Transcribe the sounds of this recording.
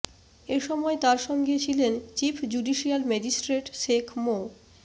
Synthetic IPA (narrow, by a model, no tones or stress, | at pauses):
eʃɔmɔet̪aɾʃɔŋɡet͡ɕʰilent͡ɕifʰd͡ʑuɖiʃialmɛd͡ʑisʈɾeʈʃekʰmo